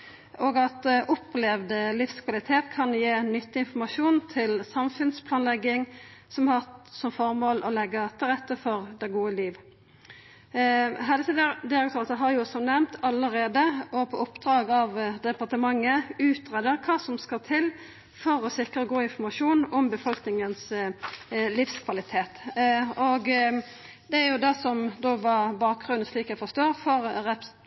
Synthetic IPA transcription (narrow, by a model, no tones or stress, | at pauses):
oːɡɑt̪ʔɔplɛʋd̪əlɪfskʰʋɑlɪt̪ʰeːt̪kʰɑnjeːnʏt̪ːɪɪnfɔmɑʃuːnt̪ʰɪlsɑmfʉnspʰlɑːnlɛɡːɪŋsɔmhɑʁsɔmfɔʁmoːlʔɔlɛɡːət̪ʰɪlʁɛt̪ːəfɔʁd̪ɛɡuːəliːʋ | ɦæləsəd̪ɪʁɛkt̪ʰøːʁsəɦɑɾjʊsɔmnɛmt̪ʰɑləʁeːd̪əɔpʰɔʊpd̪ɾɑːɡɑʋd̪ɛpɑʁt̪əmɑŋːəʉːt̪ʁeːd̪əɾkʰɑːsɔmskɑt̪ʰɪl | fɔɾɔsɪkəʁəɡoːɪnfɔmɑʃuːnɔmbəfɔlknɪŋəns | liːfskʰʋɑlɪt̪ʰeːt̪oɡ | d̪ɛæɾjʊd̪ɛsɔmd̪oːʋɑʁbɑːk̚ɡʁʉnn̩sliːkɛɪfɔst̪oːʁfɔɾʁɛp